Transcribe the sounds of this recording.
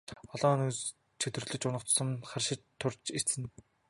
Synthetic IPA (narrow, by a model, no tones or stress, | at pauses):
ɔɮɔːnus | t͡ɕʰet̪ɵr̆ɮɵ̆t͡ɕʊnə̆χt͡ɕ̪sə̆mχarʃɪ̆t͡ɕt̪ʰːʊrt͡ɕir̥ɘ̆n